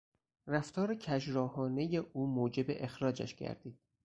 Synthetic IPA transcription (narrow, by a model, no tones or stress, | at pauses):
ræft̪ʰɒːɾecʰæʒɾɒːhɒːne̞je̞ʔuːmoːd͡ʒe̞beʔexɾɒːd͡ʒæ̰ʃɟæ̰ɾd̪̥iːd̪̥̚